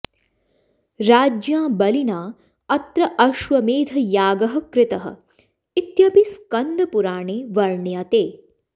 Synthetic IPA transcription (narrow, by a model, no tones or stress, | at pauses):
ɾaːd͡ʒjãːbɐlinaː | ɐt̪ɾɐʔɐʃʋɐmeːd̪ʱɐjaːɡɐɦɐ̆kɾɪt̪ɐɦɐ̰ | it̪jɐbiskɐnd̪ɐpuɾaːɳeːʋɐɾɳjat̪eː